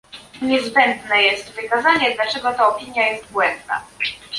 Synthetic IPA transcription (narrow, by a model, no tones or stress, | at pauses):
ɲɛzbɛnd̪nɛjɛst̪vɘkazaɲɛd̪lat͡ʂɛɡɔt̪aɔpʲiɲjajɛst̪̚bwɛnd̪na̰